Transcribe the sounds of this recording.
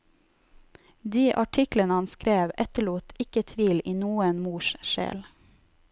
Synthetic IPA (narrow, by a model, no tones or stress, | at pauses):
d̪iːʔɑʈʰɪklənəhɑnskɾeːʋɛt̪əɭuːt̪ʰɪkət̪ʰʋiːliːnuːənmuːʃʃḛːl